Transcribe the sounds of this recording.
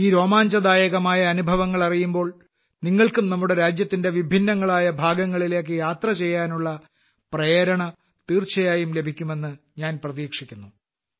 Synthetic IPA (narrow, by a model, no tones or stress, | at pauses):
iːɾo̞ːmaːɲd͡ʑɐd̪aːjɐɣɐmaːjɐːnubʱɐʋɐŋːɐɭɐrijumbo̞ːɭ | niŋːɐɭkumnɐmːuɽe̞ɾaːd͡ʑjɐt̪ːinde̞ʋibʱinːɐŋːɐɭaːjɐbʱaːɡɐŋːɐɭile̞ːk̬ːɨjaːt̪rɐt͡ɕe̞jːaːnuɭːɐ | prɐjɾɐɳɐ | t̪iːrt͡ɕɐjaːjumle̞bʱikʲːume̞nːɨɲaːnprɐðiːkʂikʲːunːu